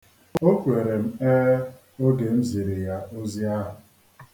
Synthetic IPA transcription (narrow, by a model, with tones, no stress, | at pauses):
o˦kʷu˨e˨ɾe˨m̩˦e˦ | o˦ɡe˨m̩˦zi˨ɾɪ˨ja˦o˦zi˦a˦ɦʊ˨